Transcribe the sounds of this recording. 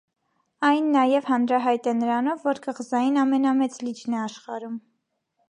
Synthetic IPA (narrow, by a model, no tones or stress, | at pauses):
ɑjnːɑjɛvhɑnɾɑɦɑjt̪ɛnəɾɑnɔvːɔɾkəʁzɑjinɑmɛnɑmɛt͡slid͡ʒnɛɑʃχɑɾum